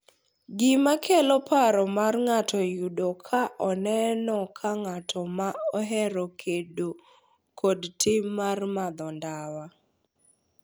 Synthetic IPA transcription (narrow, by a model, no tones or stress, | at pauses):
ɡɪmakʰɛlɔpʰaɾɔmarŋatʰɔjudokʰaʔɔnɛnɔkʰaŋatʰɔmaɔɦɛɾɔkʰedo | kodtʰɪmarmad̪ɔndawa